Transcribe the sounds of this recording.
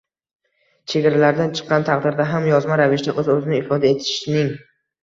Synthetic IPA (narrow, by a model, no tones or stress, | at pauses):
t͡ʃʰeɡʲaɾalaɾd̪ant͡ʃʰɨ̥qːɑnt̪ʰɑqd̪ɪɾd̪aɦamjɒzmaɾavɪʃd̪aʔɵzɵzɪnɪɪfɒd̪ae̞t̪ʰɪ̥ʃnɪŋ